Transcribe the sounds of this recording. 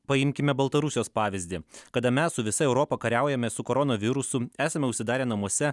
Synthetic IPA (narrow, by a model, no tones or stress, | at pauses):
pɐɪmʲkʲɪmʲɛbɐlˠt̪ɐɾʊsʲjoːspɑːʋʲɪzʲd̪ʲɪkɐd̪ɐmʲɛssʊʋʲɪsɐɛʊɾoːpɐkɐɾʲæˑʊjɛmʲɛsʊkoːɾonoːʋʲɪɾʊsʊæːsɐmʲɛʊʃʲsʲɪd̪ɑːɾʲeːnɐmuɔsʲɛ